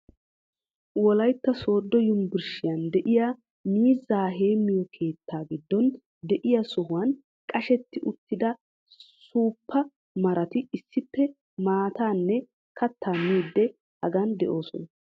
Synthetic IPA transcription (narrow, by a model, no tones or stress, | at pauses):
wɔlɐjt̪ːɐso̞ːd̪ːɔjʊmbɪɾʃɪjɐnd̪ɛʔɪjaː | miːzaːɦe̞ːmːɪjɔkʰe̞ːt̪ʰːaːɡɪd̪ːɔn | d̪ɛʔɪjasʊɦʊwɐn | kʼɐʃɛt̪ːɪʔʊt̪ːɪd̪ɐ | suːpʰːɐ | mɐɾɐt̪ɪɪsːɪpːɛ | maːt̪aːnːɛ | kʰɐt̪ʰːaːmiːd̪ːɛ | hɐɡɐnd̪ɛʔo̞ːsɔnɐ